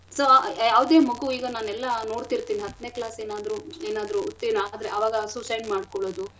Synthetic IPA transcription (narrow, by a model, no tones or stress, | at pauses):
sojaːʋɐd̪eːmɐɡuiːɡɐnaːnɛlːɐno̞ːɽt̪iɾt̪iːniɦɐt̪ːneːklaːseːnaːd̪ɾueːnaːd̪ɾut̪ːenaaːd̪ɾeʔɐʋaːɡɐsusɐjɳmaːɖkɔɭoːd̪u